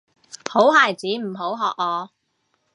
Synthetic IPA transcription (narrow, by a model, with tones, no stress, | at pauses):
ho˨˥wɦaː˨˩jt͡siː˨˥m̩˨˩ɦo˨˥wɦɔː˨k̚ŋɔː˨˧